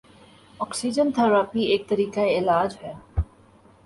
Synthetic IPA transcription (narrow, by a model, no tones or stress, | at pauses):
ɔksid͡ʒənt̪ʰaɾaːpieːk̚t̪ɐɾiːkaeɪlaːd͡ʒɦɛː